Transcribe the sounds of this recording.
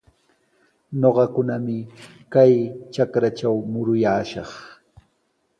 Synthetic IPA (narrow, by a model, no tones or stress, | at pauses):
ɲoɢɑkʊnamɪ | kajt͡ʃakɾat͡ʃawmʊɾʊjaːʃɑ̰χ